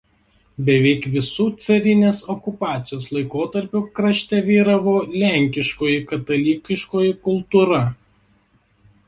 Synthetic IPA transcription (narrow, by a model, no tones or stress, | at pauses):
bʲɛʋʲɛɪkʋʲɪsuːt̪sɐɾʲɪnʲeːsɔkʊpɑːt̪sʲɪjoːslˠɐɪkoːt̪ɐɾʲpʲʊkɾɐʃʲt̪ʲɛʋʲiːɾɐʋoːlʲæˑŋʲkʲɪʃkoːjɪkɐt̪ɐlʲiːkʲɪʃkoːjɪkʊlˠt̪uːɾɐ